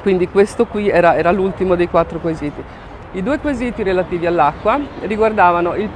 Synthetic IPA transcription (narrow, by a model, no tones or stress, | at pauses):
kwind̪ikwest̪okwiɛːɾaɛːɾalult̪imod̪ejkwat̪ːɾokweziːt̪i | id̪uːekweziːt̪iɾelat̪iːvialːakːwariɡward̪aːvanoil